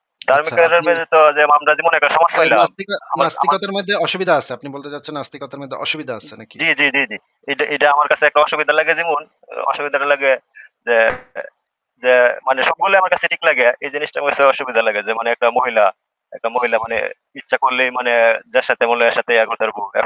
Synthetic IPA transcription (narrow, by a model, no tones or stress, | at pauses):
d̪ʱaɾmikɾɾeɾmed͡ʑet̪od͡ʑemamʈad͡ʑimunɛk̚ʈaʃɔmoʃpaɦilaast̪ikanasta̰ikɔt̪aɾmod̪ʱːeɔʃubid̪ʱaasʰeapnibolt̪et͡ɕat̪ːɕʰenast̪ikɔt̪aɾmod̪ʱːeʔɔʃubid̪ʱaasʰenakid͡ʑid͡ʑid͡ʑid͡ʑi | ejʈaʔejʈaamaɾkat͡sʰeɛk̚ʈaɔʃubid̪ʱalaɡed͡ʑimon | ɔ̰ʃubid̪ʱaʈalaɡed͡ʑe | d͡ʑemaneʃɔb̚ɡolːeamaɾkat͡ɕʰeʈʰiklaɡeejd͡ʑiniʃʈamesʰeɔʃubid̪ʱalaɡed͡ʑemaneɛk̚ʈamoɦila | ɛk̚ʈamoɦilamanḛ | itːʃʰakoɾlejmaned͡ʑaɾʃat̪ʰemoleaʃat̪ʰeaɡoɾt̪aɾbuɛ̰